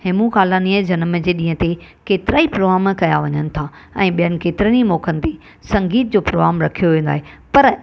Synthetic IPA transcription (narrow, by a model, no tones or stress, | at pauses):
ɦemũxaːlaniːəd͡ʑɐnmd͡ʑeːɗĩːə̃t̪ekeːt̪ɪɾaːipɾoːɣaːmkɐjaʋɐɲənɪ̆t̪ʰa | ɛ̰̃ːɓijənɪ̆keːt̪ɪɾəñimɔːkʰənɪ̆t̪e | sɐ̃ŋɡiːt̪̚d͡ʑoːpɾoːɣaːmɾɐkʰijoʋẽːn̆d̪a̰ːɦepɐɾ